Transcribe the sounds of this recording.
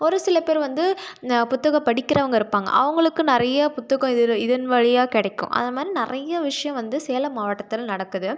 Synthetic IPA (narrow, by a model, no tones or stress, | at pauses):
ɔɾɯsɪlɐpeːɾʋɐnd̪ɯpʊt̪ːɐɣɐpɐɽɪkːɪɾɐʋɐŋɡɐɪɾɯpːaːŋɡɐ̰ʔɐ̰ʋɐŋɡɐɭɯkːɯnɪɾɐjɐpʊt̪ːɐɣɐ̃ɪðɪðɐnʋɐɻɪjaːkɪɽɛkːʊ̰̃ʔɐ̰nðdɐmaːd̪ɾinɪɾɐjɐʋɪʂɐjɐ̃ʋɐnd̪ɯseːlɐmaːʋɐʈːɐt̪ːɪlnɐɽɐkːɯðɯ